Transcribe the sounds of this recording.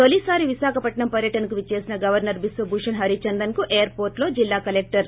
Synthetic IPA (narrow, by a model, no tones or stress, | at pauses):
t̪olisaːɾiʋisaːkʰɐpɐʈɳɐmpɐɾjɐʈɐnɐkuʋit͡ʃe̞ːsinɐɡɐʋɐɾnɐɾbisʋɐbʱuːʂɐnɦɐɾit͡ʃɐnd̪ɐnkuʔeːɐɾpo̞ːɾʈlo̞ːd͡ʒilːaːkɐlek̚ʈɐɾ